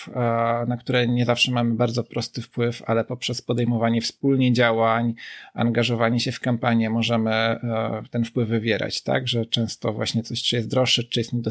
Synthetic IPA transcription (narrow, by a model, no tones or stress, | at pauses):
nakt̪uɾɛɲɛzafʂɛmamɘbaɾd̪zɔpɾɔst̪ɘfpwɘfa̰lɛpɔpʂɛspɔd̪ɛjmɔvaɲɛfspulɲɛd͡ʑawaɲa̰ŋɡaʐɔvaɲɛɕɛfkampaɲjɛmɔʐɛmɘt̪ɛnfpwɘvːɘvʲjɛɾa̰t͡ɕt̪a̰ɡʐɛt͡ʂɛ̃w̃st̪ɔvwa̰ɕɲɛt̪sɔɕt͡ʂɨjɛst̪d̪ɾɔʂːɛt͡ʂɨjɛst̪ɲɛd̪ɔ